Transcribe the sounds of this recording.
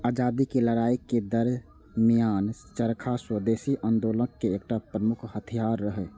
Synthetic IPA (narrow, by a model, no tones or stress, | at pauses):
aːd͡ʒaːd̪ikeləɾaːikːed̪əɾ | mijaːn | t͡ʃəɾkʰaswəd̪eːsiʔənd̪oːləkkeːk̚ʈapɾəmʊkʰhət̪ʰijaːɾːəɦɛ